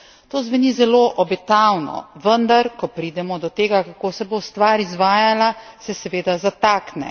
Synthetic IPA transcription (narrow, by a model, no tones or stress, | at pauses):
t̪oːzʋɛnizɛloːʔɔbɛt̪awnɔ̰ʋənd̪aɾkɔpɾiːd̪ɛmɔd̪ɔt̪eːɡakakoːsɛbost̪ʋaːɾizʋaːjalasɛsɛʋeːd̪azat̪aːknɛ̰